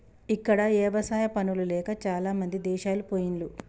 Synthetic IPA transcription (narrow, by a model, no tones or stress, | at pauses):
ikːɐɽɐeːʋɐsaːjɐpɐnululɛːkɐt͡ʃaːlaːmɐnd̪id̪ɛːʃaːlupoːjinlu